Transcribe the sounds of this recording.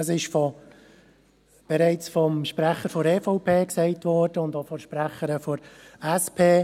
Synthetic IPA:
əsɪʃfɔ | b̥ɛɾɛɪt͡sfɔmʃpɾæχəɾfɔɾeːfɔʊpʰeːksɛɪtʋɔɾd̥əʊndofɔʃpɾæχəɾəfɔɾɛspʰeː

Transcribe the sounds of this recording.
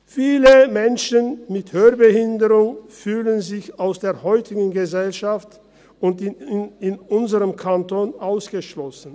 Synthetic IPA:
fiːləmɛnʃənmɪthøːɐbəhɪndəʁʊŋfyːlənzɪçaʊsd̥eːɐhɔʏtɪɡŋ̩ɡəzɛlʃaft | ʊntɪnɪnʊnzəʁəmkʰantoːnʔaʊsɡ̥əʃlɔsn̩

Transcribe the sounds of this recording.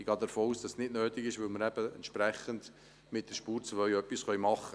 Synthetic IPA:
ɡɑːd̪əɾfoːuːsd̥ɑsnɪdnøːtɪɡɪʃvʋɵlməɾæb̥əɛ̰nt̪ʃpɾɛχənd | mɪt̚d̥əɾʃpuːɾt͡svœɥœpːisχœʏmɑχːə

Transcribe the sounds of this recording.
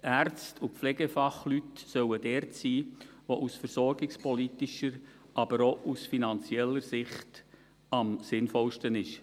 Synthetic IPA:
ʔært͡stʰupflɛɡefɑχlytsœwəd̥ɛːɾtsiːʋoʔusfəɾsɔɾɡɪkspɔlitɪʃəɾʔɑbəɾoʔusfinɑnt͡siɛlːəɾsɪχt | ɑmsɪnfɔlʃtənɪʃ

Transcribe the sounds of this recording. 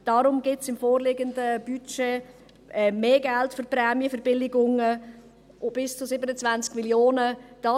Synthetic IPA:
d̥ɑɾʊmɡɪtsɪmfoːrlɪɡəndəb̥yt͡ʃeː | ʔɛmeːɡɛltførprɛːmjəfɛɾb̥ɪlɪɡʊŋə | b̥ɪst͡sʊsɪbənət͡svant͡skmiljoːnəd̥ɑ

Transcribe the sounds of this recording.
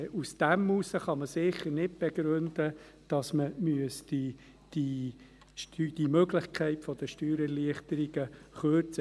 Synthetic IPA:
usd̥æmusəχɑməsɪχəɾnɪt̚b̥eɡɾønd̪ə | d̥ɑsməmyəsd̥i | d̥i | ʃtyd̥imøɡlɪχkʰɛɪtfɔd̥̪əʃtyːɾɛliəχtəɾiɡ̥əχøːɾt͡sə

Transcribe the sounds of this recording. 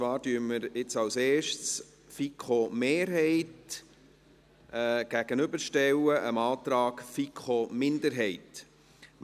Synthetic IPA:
t͡svɑːɾdyːməɾɪt͡sɑwseːʃts | fikχomeːɾɦɛɪt | ʔɛɡ̥æɡ̥ənʏbəɾʃtɛwəʔəmɑːt̪ɾɑːkfikχomɪndəɾɦɛɪt

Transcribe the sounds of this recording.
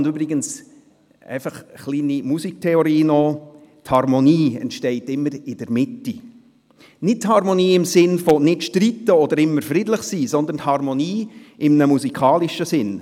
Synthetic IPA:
ndybɾɪɡəns | ɛ̰ɪfɑχχliːnimusik̚tʰɛoɾiːnɔ | t̪hɑɾmoniːɛ̰ntʃtɛɪtɪmːəɾɪd̥əɾmɪtːi | nɪt̚thɑɾmoniːɪmsɪnfonɪtʃtɾitːəɔd̥̪əɾɪmːəɾfɾidləχsiːsɔnd̪ən̩thɑɾmɔniːɪmnəmusikʰɑːliʃəsɪn

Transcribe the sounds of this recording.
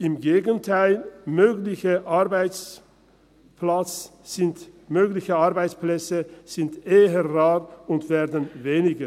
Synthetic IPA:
ɪmɡeːɡəntʰaɪlmøːɡlɪçəʔaɐbaɪt͡s | plat͡sz̥ɪntmøːklɪçəaɐbaɪt͡splɛt͡səz̥ɪntʔeːəʁaːʁʊntv̥eːɐdənveːnɪɡə

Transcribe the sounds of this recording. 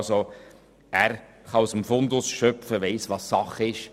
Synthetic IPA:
so | æːɾ | χɑusəmfʊndʊsʃœpfəʋeɪsʋɑsːɑχɪʃ

